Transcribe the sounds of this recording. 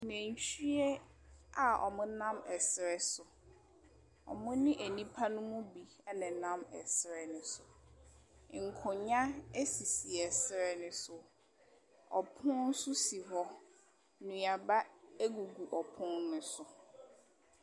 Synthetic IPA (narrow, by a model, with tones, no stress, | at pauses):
nɛ̃˨ɲ˨t͡ɕʰi˦e˦ | a˨ɔ̰˨mʊ̃˦nã˦mɛ˨sɪ˨ɾɛ˦sʊ˨ | ɔ̰˨mʊ̃˦nɪ̃˦ʔæ˨nĩ˦pʰa˦nʊ̃˦mʊ̃˦bi˨ | ɛ˦nɛ̃˨nã˦mɛ̰˨sɾɛ˨nʊ̃˨sʊ˨ | ŋ̩˨kʰʊ˨ɲã˦e˦si˨si˨ɛ˨sɾɛ˨nɪ̃˨sʊ˨ | ɔ˨pʰʊ̃˦n̩˦sʊ˦si˨ɦɔ˦ | nũ˨a˨ba˦e˦ɡu˨ɡu˨ʔɔ˨pʰʊ̃˦nnʊ̃˦sʊ˨